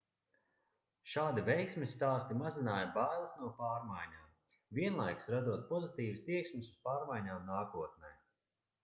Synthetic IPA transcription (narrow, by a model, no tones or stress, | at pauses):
ʃaːd̪ivʲɛjksmʲisːt̪aːst̪imazinaːjabajlˠsnuɔpaːɾmajɲaːm | viɛnlˠajksɾad̪uɔt̪̚pɔzit̪iːvst̪iɛksmisuz̥paːɾmajɲaːmnaːkuɔt̪̚nɛj